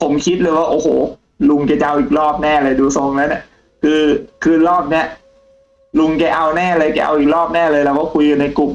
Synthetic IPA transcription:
pʰo˨˩˦mkʰi˦t̪̚lɤː˧jwaː˥˩ʔoː˨˩hoː˨˩ | lu˧ŋkɛ˧˩t͡ɕa˨˧ʔa˧wʔiː˨˩k̚lɔː˥˩p̚nɛː˥˩lɤː˧jduː˧so˧˩ŋlaː˦˥wni˧˩ | kʰɯː˧kʰɯː˧lɔː˥˩p̚ni˦˥ɐʔ | lu˧ŋkɛ˧˩ʔa˧wnɛː˥˩lɤː˧jkɛ̰˧˩ʔa̰˧wʔiː˨˩k̚lɔː˥˩p̚nɛː˥˩lɤː˧jlaː˧˦˩wkɔː˥˩kʰu˧jka˧nːa˧jklu˨˩m

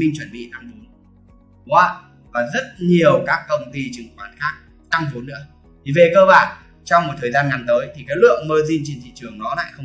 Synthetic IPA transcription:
ï˧ŋt͡ɕwə˧˩nɓḭ˧˨na˧ŋvu˨˦n | kwaː˨˧˦ | vaː˨˩zə˦˥t̚ɲi˨˩əwkaː˦˥kːə˧wŋ͡mt̪i˧t͡ɕɨ˨˩ŋkwaː˧˩nxaː˦˥k̚ | t̪a˧ŋvu˨˦nːɨ̰˧˥ə | t̪ʰi˨˩ve˨˩kəː˧ɓaː˧˩n | t͡ɕɔ˧wŋ͡mmo˨˩t̚t̪ʰəː˨˩jzaː˧nŋa˨˩nt̪əː˨˦jt̪ʰi˨˩kaː˨˦jlɨ̰˧˨əŋməː˧zi˧nt͡ɕe˧nt̪ʰḭ˧˨t͡ɕɨ˨˩əŋnɔ˨˦la̰ː˧˨jxə˧w

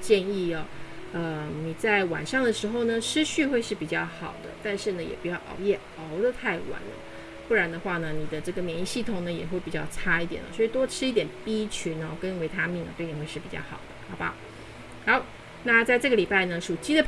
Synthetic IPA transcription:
t͡ɕjɛ˥˧ni˥˩ɐ˨˩ə˧ni˨˩t͡sa˥˩ɪwa̰˨˩nʂɑ˥˩ŋd̪ə˩ʂɻ̩˧˥xo˧ʊnə˩ʂɻ̩˥ɕy˥˧xwe˥˧ɪʂɻ̩˥˩pi˨˩t͡ɕjɑ˥˩ʊxɑ˨˩ʊd̪ə̰˦t̪a˥˧nʂɻ̩˥˩nə˩jɛ˨˩pu˧˥t͡ɕjɑ˥˩ʊʔɑ̰˨˩ʊjɛ˥˩ | ɑ˧˥ʊd̪ə˧t̪ʰa˥˩ɪwa̰˧˥˦nə̰˧˩ | pu˥˩ɻa˧˥nd̪ə˧xwa˥˩nə˩ni˨˩d̪ə˦ʈ͡ʂɤ˥˩ɡə˩mjɛ˧˥ni˥˧ɕi˥˩t̪ʰʊ˨˩ŋnə˦jɛ˨˩xwe˥˩ɪpi˨˩t͡ɕjɑ˥˩ʊʈ͡ʂʰa˥i˥t̪jɛ̰˨˩nə̰˦swɔ˧˥i˨˩t̪wɔ˥ʈ͡ʂʰɻ̩˥i˥˩t̪jɛ˨˩npi˥t͡ɕʰy˧˥n˧˨˩kə˥nwe˧˥ɪt̪ʰa˥mi˥˩ŋ̰˨t̪we˥˩t̪i˨˥xwe˥˧ʂɻ̩˥˩pi˨˩t͡ɕɑ̰˥˩xɑ̰˨˩ʊd̪̥ə˦xɑ˨˥ʊba̰˧ | xɑ˧˥ʊ | na˥˧t͡sa˥˧ɪʈ͡ʂɤ˥˩ɡə˩li˨˩pa˥˩ɪnə˩ʂu˨˩t͡ɕi˥d̪ə˨

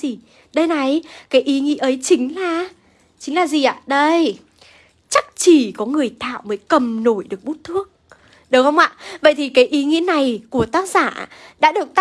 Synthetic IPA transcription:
i˨˩ | ɗə˧jna˨˩jkaː˨˦jʔi˨˦ŋḭ˧˥əʔə˨˦jt͡ɕï˨˦ŋ̟laː˨˩ | t͡ɕï˨˦ŋ̟laː˨˩zi˨˩ʔa̰ː˧˨ɗə˧j | t͡ɕa˦˥k̚t͡ɕi˧˩kɔ˨˦ŋɨ˨˩əjt̪ʰa̰ː˧˨wməː˨˦jkə˨˩mno˧˩jɗɨ˨˩ək̚ɓu˦˥t̚t̪ʰɨ˦˥ək̚ | ɗɨ˨˦whə˧wŋ͡mʔa̰ː˧˨və̰˧˨jt̪ʰi˨˩kaː˨˦jʔi˨˦ŋḭ˧˥əna˨˩jku˧˩ət̪aː˦˥k̚z̥aː˧˩ɗa̰ː˧˥ɗɨ˨˩ək̚t̪

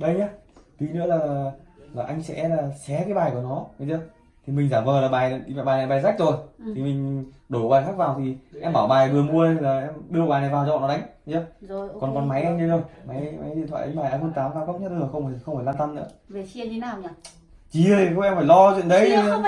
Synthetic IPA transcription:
ɗə˧jɲaː˨˧˦t̪wi˨˦nɨ̰˧˥əlaː˨˩laː˨˩ʔa˧jŋ̟sɛ̰˧˥laː˨˩sɛ˨˦kaː˨˦jɓaː˨˩jku˧˩ənɔ˨˦ə˨˧zə˧˦ | t̪ʰi˨˩mi̟˨˩zaː˧˩mvəː˨˩laː˨˩ɓaː˨˩ja̰˧˨ɓaː˨˩na˨˩ɓaː˨˩jza˦˥k̚zo˨˩jt̪ʰi˨˩mï˨˩ŋ̟ | ɗo˨˧˩ɓaː˨˩jxaː˦˥k̚vaː˨˩wt̪ʰi˨˩ʔɛ˧mɓaː˧˩wɓaː˨˩jɗɨ˨˩əmu˧əə˧˨laː˨˩ʔɛ˧mɗɨ˧ə˧ɓaː˨˩jna˨˩jvaː˨˩wt͡ɕɔ̰˧˨nɔ˨˦ɗa˨˦ŋ̟˧ɲə˨˧˦kɔ˨˩nkɔ˨˩nma˨˦jʔɛ˧ɲə˧zo˧˩jma˨˦jma˨˦jɗḭ˧˨nt̪ʰwa̰ː˧˨ʔa˨˦jɓaː˨˩ʔaː˧˩ho˧nt̪aː˨˦mkaː˧mkə˦˥ɲə˦˥t̪̚laː˨˩xə˧wŋ͡mxə˧wŋ͡mfaː˧˩jlaː˧nt̪a˧mnɨ̰˧˥ə | e˨˩i˧˨˦naː˨˩wɲ˧ | t͡ɕi˧˨kʔɛ˧mfaː˧˩jlɔ˧t͡ɕwḭ˧˨ə˨nɗə˨˦j

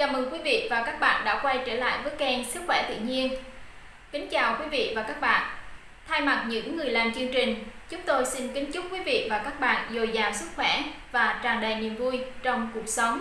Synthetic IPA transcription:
kaː˨˩mʔəː˨˩ŋkwi˨˦vḭ˧˨vaː˨˩kaː˦˥k̚ɓa̰ː˧˨nɗa̰ː˧˥kwa˧jt͡ɕəː˧˩la̰ː˧˨jvə˨˦jkɛ˧nsɨ˦˥k̚xwɛ˧˩t̪ḭ˧˨ɲi˧ən | kï˨˦ŋ̟t͡ɕaː˨˩wkwi˨˦vḭ˧˨vaː˨˩kaː˦˥k̚ɓa̰ː˧˨n | t̪ʰaː˧jma˨˩t̚ɲɨ̰˧˥ŋːɨ˨˩əjlaː˨˩mt͡ɕɨ˧əŋt͡ɕï˨˩ŋ̟t͡ɕʊ˨˦ŋ͡mt̪o˧jsi˧nkï˨˦ŋ̟t͡ɕʊ˦˥k͡p̚kwi˨˦vḭ˧˨vaː˨˩kaː˦˥k̚ɓa̰ː˧˨nzo˨˩jzaː˨˩msɨ˦˥k̚xwɛ˧˩vaː˨˩t͡ɕaː˨˩ŋɗa˨˩jni˨˩əmvu˧jt͡ɕɔ˧wŋ͡mku˨˩ək̚sə˨˦wŋ͡m

